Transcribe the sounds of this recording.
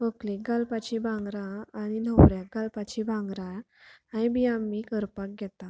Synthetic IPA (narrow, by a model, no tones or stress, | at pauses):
ʋəkleɡalpat͡ɕibʱãŋɡɾaaɽ̃inəwɾjak̚ɡalpat͡ɕibʱãŋɡɾa | ãjbʱiamːikəɾpak̚ɡʱjɛt̪a